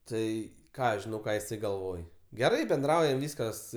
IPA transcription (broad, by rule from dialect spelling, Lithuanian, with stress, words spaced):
ˈtɐɪ ˈkɑː ɐʃ ʒʲɪˈnɐʊ ˈkɑː jɪˈsɐɪ ɡɐlˠˈʋoːj ɡʲɛˈrɐɪ bʲɛnˈdrɐʊjɛm ˈʋʲiːskɐs